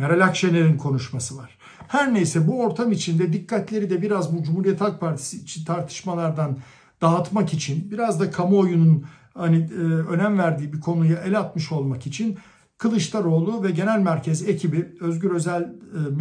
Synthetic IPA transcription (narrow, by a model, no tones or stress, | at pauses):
ɾalʲakʃeneɾinkʰo̞nuʃmasɯvaɾ̥ | hæɾnejsɛbuo̞ɾt̪ʰamit͡ʃʰind̪ɛd̪ikːat̪ʰlʲe̞ɾid̪ɛbiɾazbud͡ʒumhuɾijet̪ʰalˠk̚pʰaɾt̪ʰi̥siːt͡ʃʰint̪ʰaɾt̪ʰɯ̥ʃmalˠaɾd̪an | d̪̥aːt̪makit͡ʃʰinbiɾazd̪akʰamuojunun | haniø̞næmvæɾd̪iːbikʰo̞nujaʔelʲat̪mɯʃo̞lˠmakit͡ʃʰin | kʰɯlˠɯʃt̪ˠaɾo̞ːlˠuvɛɟe̞nælʲmæɾcʰezecʰibiø̞zɟyɾø̞zælʲm